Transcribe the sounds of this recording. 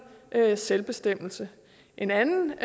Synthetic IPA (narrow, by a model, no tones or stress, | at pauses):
selb̥e̝sd̥em̰l̩sə | ʔe̝nænn̩